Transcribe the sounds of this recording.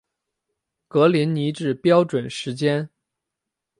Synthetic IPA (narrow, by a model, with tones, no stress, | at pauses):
kɤ˧˥li˧˥nni˧˥ʈ͡ʂɻ̩˥˩pjɑ˥ʊʈ͡ʂwə˨˩nʂɻ̩˧˥t͡ɕjɛ˥n